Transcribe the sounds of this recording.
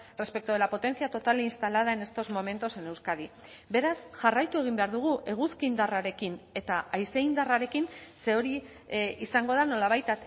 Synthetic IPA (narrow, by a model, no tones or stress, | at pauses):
re̞spe̞k̚t̪uoelapo̞t̪e̞nθiat̪o̞t̪alinst̪alað̞ae̞ne̞st̪o̞zmo̞mẽ̞nt̪o̞se̞ne̞wskaðibe̞ɾasʝarajt̪ue̞ɣ̞imbe̞aɾðuɣ̞uʔe̞ɣ̞uskind̪araɾe̞kine̞t̪aajsejnd̪araɾe̞kinse̞o̞ɾi | isaŋɡo̞ðano̞laβ̞ajt̪a